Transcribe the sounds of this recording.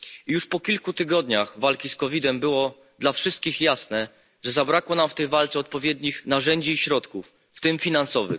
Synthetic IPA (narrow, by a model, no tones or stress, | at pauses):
juʂpɔkʲilkut̪ɘɡɔd̪ɲaxvalkʲiskɔvʲid̪ɛmbɘwɔ | d̪lafʂɘst̪̚kʲixjasnɛ | ʐɛzabɾakwɔnamft̪ɛjvalt̪sɛɔt̪̚pɔvʲjɛd̪ɲixnaʐɛɲd͡ʑiːɕɾɔt̪kufːt̪ɘmfʲinansɔvɘ̰